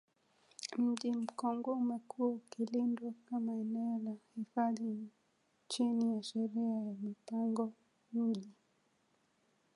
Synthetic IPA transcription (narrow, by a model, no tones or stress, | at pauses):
m̩ʄim̩kɔŋɡɔmakʰuukilindwakamaɛnɛɔlahifaði | t͡ʃinijaʃɛɾiajamipaŋɡɔ | mmiʄi